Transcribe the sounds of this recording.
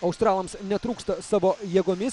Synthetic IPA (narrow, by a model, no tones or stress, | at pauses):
ɐʊst̪ɾɑːlˠɐmsnʲɛt̪ɾuːkst̪ɐsɑːʋoːjeːɡoːmʲɪs